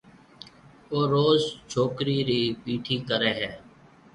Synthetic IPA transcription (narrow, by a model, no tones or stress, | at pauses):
oːɾoːzt͡ʃʰoːkɾiːɾiːpiːʈʰiːkəɾeːɦɛː